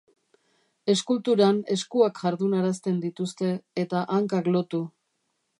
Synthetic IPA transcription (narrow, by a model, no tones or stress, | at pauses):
e̞skult̪uɾane̞skuakʝaɾðunaɾast̪e̞nd̪it̪ust̪e̞ːt̪aʔaŋkaklo̞t̪u